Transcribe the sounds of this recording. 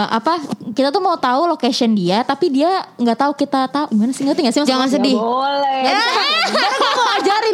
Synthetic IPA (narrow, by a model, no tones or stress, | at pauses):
ʔapakit̪at̪umaut̪aulokasɔndiat̪apidiaŋɡaʔt̪aukit̪at̪aumanasiŋɡat̪iŋɡaʔsimad͡ʒaŋans̬ədɪhɡa | aaməad͡ʒaɾɪ